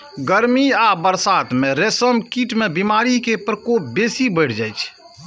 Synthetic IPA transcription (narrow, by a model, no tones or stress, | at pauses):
ɡəɾmiabəɾsat̪meɾesəmkiʈmebimaɾikepɾəkop̚besibəɪʈʰd͡ʒajt͡ʃʰ